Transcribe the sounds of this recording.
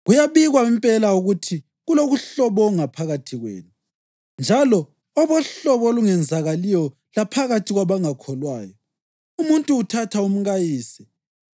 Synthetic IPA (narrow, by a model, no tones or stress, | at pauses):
ɣujaβiɣwaimpʼɛlauɣutʰi | ɣuloɣuɬɔβɔŋapʰaɣatʰiɣwḛːnu | nd͡ʒʱalɔː | βɔɬɔβɔluŋɛnd͡zʱaɣalijɔ | lapʰaɣatʰiɣwaβaŋakʰɔlwaːjɔ | umuntʼuːtʰatʰaum̩ɣajiːsɛ̥